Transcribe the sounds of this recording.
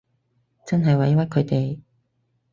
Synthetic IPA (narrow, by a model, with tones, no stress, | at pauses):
t͡sɐ˥nɦɐ˨jwɐ˨˥jwɐ˥kʰɵ˨˧˥t̪e˨j